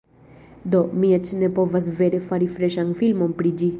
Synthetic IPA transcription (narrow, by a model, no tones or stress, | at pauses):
d̪omiət͡ʃnepoʋɐzʋeɾifaɾifɾeʃãŋɡfilmɔmpɽid͡ʒi